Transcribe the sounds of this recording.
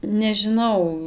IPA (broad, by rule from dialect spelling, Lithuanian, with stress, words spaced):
nʲɛʒʲɪˈnɐʊ